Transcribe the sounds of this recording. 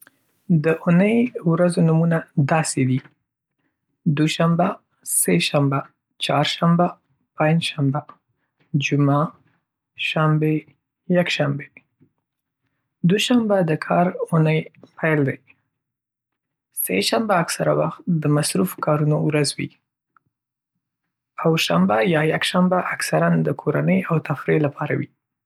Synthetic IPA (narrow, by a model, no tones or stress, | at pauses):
d̪əʔʊnəjwɾazonumunad̪ɑsed̪i | d̪uʃamba | seʃamba | t͡ʃɑɾʃamba | pãɲd͡ʒʃamba | d͡ʒuma | ʃambe | jakʃambe | d̪oʃambad̪əkʰɑɾunəjpʰajld̪aj | sḛʃambaːksaɾa̰waxt̪d̪əmasɾufkɑɾunowɾazwḭ | awʃambajɑjakʃambaʔaksaɾand̪əkʰoɾanəjawt̪afɾelapʰɑɾa̰wi